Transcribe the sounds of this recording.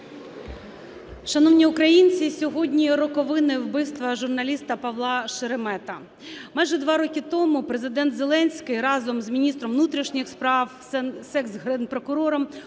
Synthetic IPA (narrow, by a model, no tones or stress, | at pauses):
ʃɐnɔwnʲiʊkɾɐjinʲt͡sʲisʲɔɦɔdʲnʲiɾɔkɔʋɪnɪwbɪst̪ʋɐʒʊrnɐlʲist̪ɐpɐʋlˠɑʃɪɾemɛt̪ɐ | mɑjʒɛd̪ʋɑɾɔkʲit̪ɔmʊpɾezɪd̪ɛnt̪zelˠɛnʲsʲkɪjɾɑzɔmzmʲinʲist̪ɾɔmʋnut̪ɾʲiʃnʲɪxspɾɑw | sɛkzɦɾenpɾɔkʊɾɔɾɔm